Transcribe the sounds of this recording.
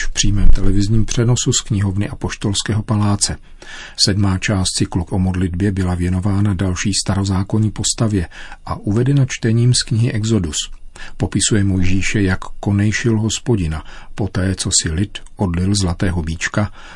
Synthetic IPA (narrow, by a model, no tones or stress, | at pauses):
fpr̥iːmɛːmt̪ɛlɛvɪzɲiːmpr̝̥ɛno̞suskɲɪɦo̞vnɪʔapo̞ʃt̪o̞lskɛːɦo̞palaːt͡sɛ | sɛdmaːt͡ʃaːst̪t͡sɪklukʔomo̞dlɪdbjɛbɪlavjɛno̞vaːnadalʃiːst̪aɾo̞zaːko̞ɲiːpo̞st̪avjɛʔaʔuvɛdɛnat͡ʃt̪ɛɲiːmskɲɪɦɪʔɛɡzo̞duspo̞pɪsujɛmo̞jʒiːʃɛjakːo̞nɛjʃɪlɦo̞spo̞ɟɪnapo̞t̪ɛːt͡so̞sɪlɪt̪ʔo̞dlɪlzlat̪ɛːɦo̞biːt͡ʃka